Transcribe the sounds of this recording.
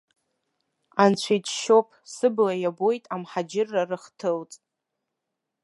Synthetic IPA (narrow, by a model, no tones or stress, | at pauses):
ant͡ɕʷʰijt͡ʃʰʃo̞pʰsɨblajabojtʼamħad͡ʒɪrːarɨχtʰɨlt͡sʼ